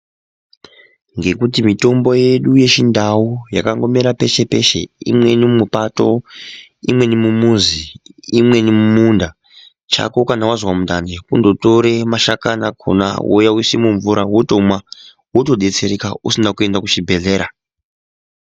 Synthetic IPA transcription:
ŋɡe̞kutimito̞mbo̞jeɗuje̞ʃindaujakaŋɡo̞meɾape̞ʃe̞pe̞ʃe̞̰ḭmwe̞nimupato̞ | imwe̞nimumuziimwe̞nimumunda | t͡ʃa̰kokanawazwamundanekundo̞to̞ɾe̞maʃakanakʰo̰na̰wo̰jawisimuɱvuɾawotomwa | woto̞ɗet͡se̞ɾekausinakue̞ndakuʃibʱe̞ɮe̞ːɾa

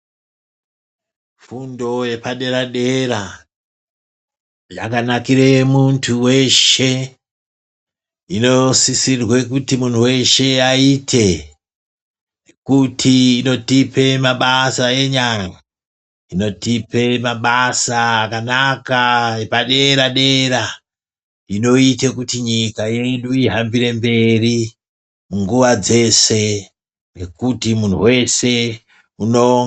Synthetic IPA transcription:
fundo̞je̞paɗe̞ɾaɗe̞ɾa | d͡ʒa̰kanakiɾe̞muntʰuwe̞ʃe̞ | ino̞sisirwe̞kutimuntʰuwe̞ʃe̞aitʰe̞ | kutʰiːno̞tipʰe̞maɓasaeɲaŋa | ino̞tipe̞maɓasaːkanakaepaɗe̞ɾaɗe̞ɾa | ino̞itekutiɲikaje̞ɗuiɦambiɾe̞mbe̞ri | muŋɡuʋad͡ze̞se̞ | ne̞kutimun̤ṵwe̞se̞ | unoŋ

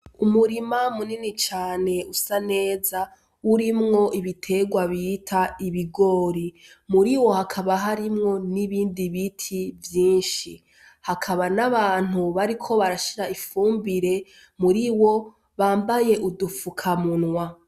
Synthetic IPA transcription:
umuɾimamuninit͡ʃaːne̞usane̞ːza | uɾimŋo̞ʔiβitʰe̞ɡwaβitʰaiβiɡo̞ːɾi | muɾiwo̞hakʰaβaɦaɾimŋo̞niβiːndiβitʰivjiːnʃi | hakʰaβanaβaːn̥huβaɾikʰo̞βaɾaʃiɾaifuːmbiɾe̞ | muɾiwo̞ | βaːmbaje̞ʔudufukʰamunŋwa

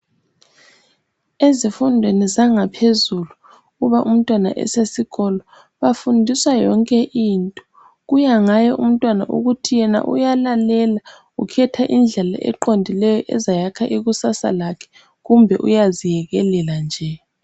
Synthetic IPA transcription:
ezifundʱwenizaŋapʰezulu | ɣuβaʔum̩tʼwana̰ʔɛ̰sesiɣɔlɔ | βafundʱiswajɔŋkʼɛʔintʼɔ̥ | ɣujaŋajɔʔum̩tʼwana̰ʔṵɣutʰijɛna̰ʔṵjalalɛla | ukʰɛtʰaʔind͡ɮʱɛla̰ʔɛ̰ǃondʱilɛjɔʔɛ̰zajakʰaʔiɣusasa̰lakʰɛ̥ | ɣumbʱɛʔṵjazijɛɣɛlɛland͡ʒʱɛ

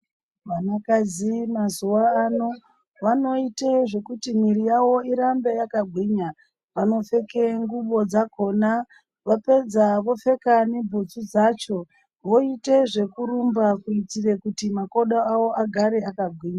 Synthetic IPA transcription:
ʋanakazimazuʋaːno̞ | ʋano̞iteʐe̞kutimirijawo̞iɾambe̞jakaɡʱwiːɲa | ʋano̞fe̞ke̞ŋɡuɓo̞d͡zako̞na | ʋape̞d͡zaʋo̞fe̞kane̞bʱud͡zud͡zat͡ʃo̞ | ʋo̞iteʐe̞kuɾumbakuitire̞kutimako̞ɗaawo̞ʔaɡʱaɾe̞akaɡʱwiːɲa

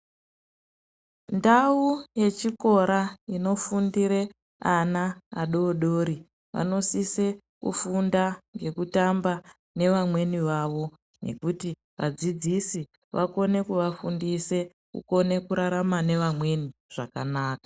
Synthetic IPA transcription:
ndauje̞t͡ʃiko̞ɾaino̞fundiɾe̞ | anaːɗo̞ɗo̞ːɾi | ʋa̰no̞sise̞ | kṵfundaŋɡe̞kutamba | ne̞ʋamwe̞niʋaʋo̞ | ne̞̰kuti | ʋa̰d͡zid͡zisi | ʋako̞ne̞kuʋafundise̞ | kṵko̞ne̞kuɾaɾamane̞ʋamwe̞niʐ̥akanaːka

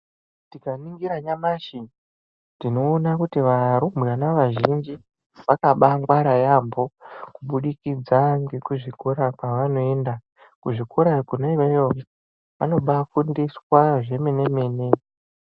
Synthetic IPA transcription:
tikaniŋɡiɾaɲamaʃin | tino̞ːnakutiʋaɾumweanaʋaʒind͡ʒi | ʋakaɓaŋɡwaɾajambo̞kuɓuɗikid͡zaŋɡe̞kuʐikʰoɾakwaʋano̞e̞ːnda | kuʐikʰuɾakunoiʋejo | ʋano̞ɓafundiswaʐe̞me̞ne̞me̞ne

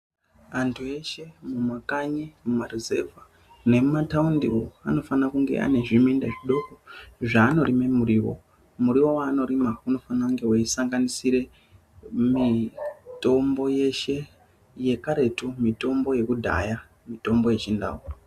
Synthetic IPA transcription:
antʰue̞ʃe̞mumakaɲimumarizeva | ne̞mumataundioa̰no̞fanakuŋɡe̞̰ʔa̰ne̞ʐimindaʐiɗo̞koʐaːno̞ɾime̞muɾiwo̞̰ | muɾiwo̞waːno̞ɾimauno̞fanaŋɡe̞waisaŋɡanisiɾe̞ | mito̞mbo̞je̞ʃe̞ | je̞kaɾe̞tumito̞mbo̞je̞kudʱa̰ja | mito̞mbo̞je̞t͡ʃinda̰ura

